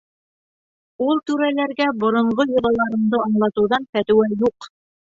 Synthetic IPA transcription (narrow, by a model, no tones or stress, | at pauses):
ulˠt̪ʉɾælæɾɡæbŏɾŏɴɢojŏlˠɑlˠɑɾɤ̆md̪ɤɑɴlˠɑt̪ɤ̆wðɑnfæt̪ɘ̆wæjuq